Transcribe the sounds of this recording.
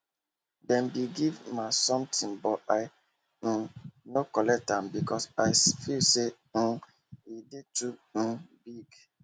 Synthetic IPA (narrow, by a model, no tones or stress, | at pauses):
dɛ̃nbiɡivmasɔ̃mtʰĩnbɔaɪ | n̩nokɔlɛk̚tãmbikɔsaɪsfilse | n̩ | idetubiɡ